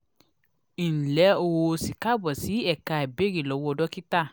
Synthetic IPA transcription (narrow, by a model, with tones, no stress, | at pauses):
i˨n̩˨lɛ˨˦o˧wo˧si˨ka˦˨bɔ˨si˨˦ɛ˦˨ka˧˨e˨be˨˦ɾi˦˨lɔ˨˧˨wɔ˦ɔ˧dɔ˦ki˦ta˦˨